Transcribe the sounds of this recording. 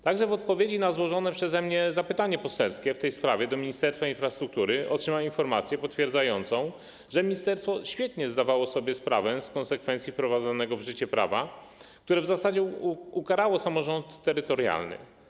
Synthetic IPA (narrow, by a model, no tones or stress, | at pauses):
t̪aɡʐɛvɔt̪̚pɔvʲjed͡ʑinazwɔʐɔnɛpʂɛzɛmɲɛzapɘt̪aɲɛpɔsɛlskʲɛft̪ɛjspɾavʲjɛd̪ɔmʲiɲist̪ɛɾst̪fainfɾast̪ɾuk̚t̪uɾɘʔɔ̰tʂɘmawinfɔɾmat̪sʲjɛpɔt̪fʲjɛɾd̪zajɔnt̪sɔ̃w̃ | ʐɛmʲiɲist̪ɛɾst̪fɔɕfʲjɛt̪ɲɛzd̪avawɔsɔbʲjɛspɾavɛskɔnsɛkfɛnt̪sʲifpɾɔvad̪zɔnɛɡɔvʐɘt͡ɕɛpɾa̰va̰k̚t̪uɾɛvzasad͡ʑɛukaɾawɔsamɔʐɔnt̪ːɛɾɘt̪ɔɾja̰lnɘ̰